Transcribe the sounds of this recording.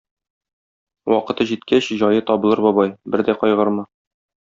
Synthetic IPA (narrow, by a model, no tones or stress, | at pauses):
wɒqɤ̆t̪ɤʑit̪̚kæɕʑɒjɤt̪ɒbɤ̆lˠɤɾbɒbɑjbɘɾd̪æqɒjʁɤɾmɤ